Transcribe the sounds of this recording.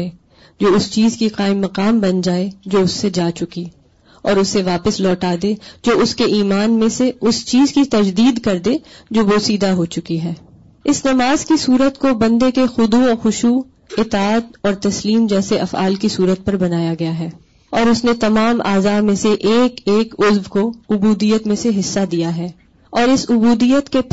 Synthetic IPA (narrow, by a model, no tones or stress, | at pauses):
e | d͡ʒoːʊst͡ʃiːzkiqaːɪmːɐqaːmbɐnd͡ʒaːed͡ʒoːʊsːed͡ʒaːt͡ʃʊki | ɔːɾʊsːeʋaːpəslɔːʈaːd̪ẽd͡ʒoːʊskeʔiːmaːnmẽseʊst͡ʃiːzkit̪ɐd͡ʒd̪iːd̪kɐɾd̪ẽːd͡ʒoːʋoːsiːd̪aɦot͡ʃʊkiɦɛː | ɪsnɐmaːzkisuːɾət̪kobɐ̃nd̪ekexʊd̪uɔːɾxʊʃuː | ɪt̪aaːd̪ɔːɾt̪ɐsliːmd͡ʒɛːseʔɐfa̰ːlkisuːɾət̪̚pɐɾbɐnaːjaɡɐjaɦɛː | ɔːɾʊsnet̪ɐmaːmʔa̰ːzaːmẽseʔeːkeːkʊzʋkoʊbuːd̪ijət̪mẽseɦɪsːad̪ijaɦɛː | ɔːɾɪsʊbuːd̪ijət̪ke